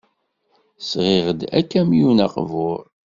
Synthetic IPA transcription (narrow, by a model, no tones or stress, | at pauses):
sʁɪʁəd̪æ̰kːæmjunɑqvʊɾˤ